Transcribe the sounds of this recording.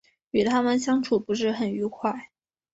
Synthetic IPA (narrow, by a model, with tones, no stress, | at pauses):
y˨˩t̪ʰa˥mə˨nɕjɑ˥ŋʈ͡ʂʰu˨˩pu˧˥ʂ̬ɻ̩˥˩xə˨˩ny˧˥kʰwa˥˩ɪ